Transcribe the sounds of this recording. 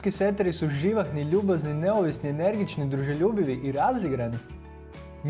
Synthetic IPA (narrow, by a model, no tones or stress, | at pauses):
kiset̪eɾisuʒiʋaxniʎuːbaznineoʋisniene̞ɾɡit͡ʃnid̪ɾuʒeʎuːbiʋiʔiɾaziɡɾani | m